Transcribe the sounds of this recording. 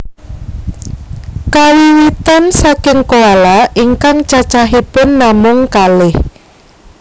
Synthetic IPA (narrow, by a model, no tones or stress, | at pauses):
kawiwit̪ansakɪŋkoalaʔiŋkaŋt͡ʃat͡ʃaɦipʊnːamʊŋkalɪh